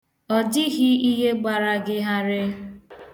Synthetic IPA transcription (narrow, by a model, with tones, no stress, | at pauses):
ɔ˨dɪ˦ɣɪ˦i˦ɦe˦ɡ͡ba˨ɾa˨ɡɪ˦ɦa˦ɾɪ˦